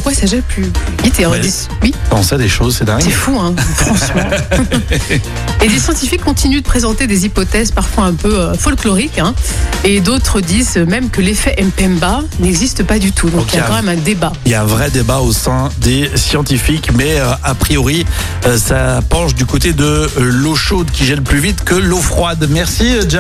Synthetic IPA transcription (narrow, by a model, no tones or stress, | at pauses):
kwasaʒɛplyvit̪eaʁd̪iz | wipɑ̃sɛd̪eʃozsɛd̪ɛ̃ɡsɛfuɛ̃fχɑ̃sm̃ | ed̪esjɑ̃t̪ifikːɔ̃t̪inyd̪əpχezɑ̃t̪ed̪ezipɔt̪ɛzpaʁfwaɛ̃pøøfɔlklɔʁikɛ̃ed̪ot̪χəd̪izømɛmkəlefɛʔɛmpɛmbanɛɡzist̪əpad̪yt̪ʰud̪ɔ̃kjakɑ̃mɛmɛ̃d̪ebailjaɛ̃vʁɛd̪ebaosɛ̃d̪esjɑ̃t̪ifikmɛøapχijɔʁi | øsapɑ̃ʃd̪ykot̪ed̪əloʃod̪kʲiʒɛlplyvit̪kəlofχwad̪mɛʁsid͡ʒa